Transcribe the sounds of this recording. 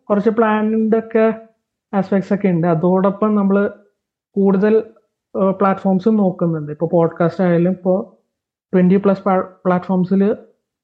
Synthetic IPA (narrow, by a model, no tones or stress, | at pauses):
kurɐt͡ɕːɨpɭaːninɖokːe̞ | aːspekʈsokːeuɳɖɨɐðoːɽopːɐmnɐmːɐɭɨ | kuːɽuðɐl | pɭaːʈːfo̞ːrmsɨno̞ːkːunːuɳɖɨipːo̞ːpo̞ːɖkaːstaːjilːumipːo̞ː | peɳɖipɭɐsppɭaːtːfoːrmsil